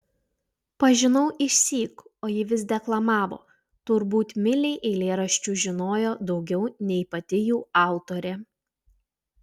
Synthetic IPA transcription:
pɐʒʲɪnɐʊʔɪʃʲsʲiːkoːjɪʋʲɪs̬d̪ʲɛklˠɐmɑːʋo̰ː | t̪ʊɾbuːt̪mʲɪlʲɛɪʔɛɪlʲeːɾɐʃʲt͡ʃʲuːʒʲɪnoːjoːd̪ɒʊɡʲɛʊnʲɛɪpɐt̪ʲɪjuːɑˑʊt̪oːɾʲɛ

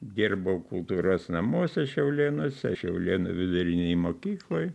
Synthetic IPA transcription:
d̪ʲɪrbɐʊkʊlˠt̪uːɾoːsnɐmuɔsʲɛʃʲɛʊlʲeːnoːsʲɛ̰ʃʲɛʊlʲiːnṵʋʲɪd̪ʊɾʲɪnʲɛjmoːkʲiːklˠoːj

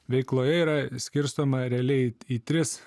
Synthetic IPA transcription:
ʋʲɛɪklˠoːjɛiːɾɐsʲkʲɪɾst̪oːmɐɾʲæːlʲɛɪiːt̪ʲɾʲɪs

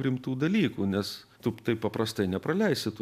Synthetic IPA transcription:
ɾʲɪmt̪uːd̪ɐlʲiːkuːnʲɛs | t̪ʊt̪ɐɪppːɐpɾɐst̪ɐɪnʲɛpɾɐlʲɛɪsʲɪt̪u

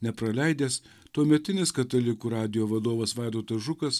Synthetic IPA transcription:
nʲɛpɾɐlʲɛɪd̪ʲeːs | t̪uɔmʲɛt̪ʲɪnʲɪskɐt̪ɐlʲɪkuːɾɑːd̪ʲɪjoːʋɐd̪oːʋɐsʋɑˑɪd̪oːt̪ɐʒʊkɐs

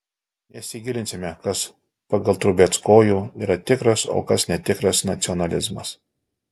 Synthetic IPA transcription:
nʲɛsʲɪɡʲɪlʲɪnʲsʲɪmʲɛkɐs | pɐɡɐlˠt̪ɾʊbʲɛːt̪skoːjuːiːɾɐt̪ʲɪkɾɐso̰ːkɐsnʲɛt̪ʲɪkɾɐsnɐt̪sʲɪɔnɐlʲɪzmɐs

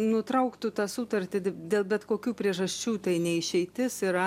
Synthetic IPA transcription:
nʊt̪ɾɐʊkt̪ʊt̪ɑːsut̪ɐrʲt̪ʲɪd̪ʲeːlˠbʲɛt̪koːkʲuːpʲɾʲiɛʒɐsʲt͡ʃʲuːt̪ɐɪnʲɛɪʃʲɛɪt̪ʲɪsɪɾɐ

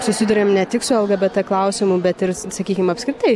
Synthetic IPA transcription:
sʊsʲɪd̪ʊɾʲeːmnʲɛt̪ʲɪksʊɛlˠɡɐbʲɛt̚t̪ɐklˠɐʊsʲɪmʊbʲɛt̪ɪɾsɐkʲiːkʲɪmɐpskɾʲɪt̪ɐɪ

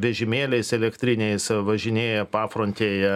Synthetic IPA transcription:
ʋʲɛʒʲɪmʲeːlʲɛɪsɛlʲɛkt̪ʲɾʲɪnʲɛɪsʋɐʒʲɪnʲeːjɛpɑːfɾoːnʲt̪ʲeːjɛ

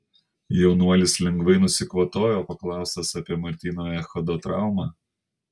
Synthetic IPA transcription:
jɛʊnuɔlʲɪslʲɛŋɡʋɐɪnʊsʲɪkʋɐt̪oːjoːpɐklˠɑˑʊst̪ɐsɐpʲiɛmɐɾʲt̪ʲiːnoːjɛxɐd̪ot̪ɾɑˑʊmɑː

